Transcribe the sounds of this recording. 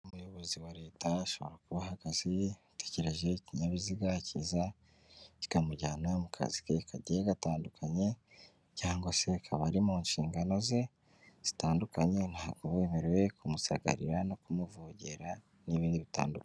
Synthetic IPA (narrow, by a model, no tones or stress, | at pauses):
umujo̞βo̞ziwaɾe̞ːtaʃo̞βoɾakuβaɦaɡ̥azi | tece̞ɾe̞ʒe̞ciɲaβiziɡaciza | ci̥kamuɟaːnamukʰa̰zikekaɟeɡataːndukʰaɲe̞ | caːŋɡo̞se̞kʰaβaɾimuːɲʃiːŋɡano̞ze̞ | z̥i̥taːndukaɲe̞nhaːɡoβweːmeɾwe̞kumusaɡa̰ɾiɾano̞kumuvuɟe̞ɾa | niβiːndiβita̰ːnduka